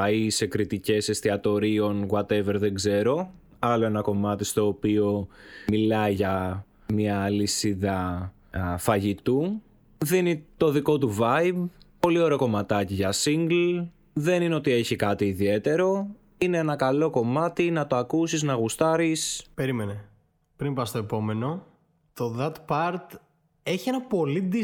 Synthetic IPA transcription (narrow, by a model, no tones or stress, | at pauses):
ɐisekɾit̪ice̞se̞st̪iɐt̪o̞ɾio̞nɣwɐt̪eveɾðe̞ɡze̞ɾo̞ | ɐlo̞e̞nɐko̞mɐt̪ist̪o̞ːpio̞milɐiʝɐ | miɐːlisiðɐ | fɐʝit̪u | ðinit̪o̞ðiko̞t̪uvɐjibpo̞lio̞ɾeoko̞mɐt̪ɐciʝɐsiŋɡl | ðe̞nineo̞t̪ie̞çikɐt̪iːðie̞t̪e̞ɾo̞ | ine̞enɐkɐlo̞ko̞mɐt̪inɐt̪o̞ɐkusiznɐɣust̪ɐɾispe̞ɾimene | pɾimpɐst̪o̞e̞po̞me̞no̞ | t̪oðɐt̪pɐɾt̪ | e̞çienɐpo̞lid̪i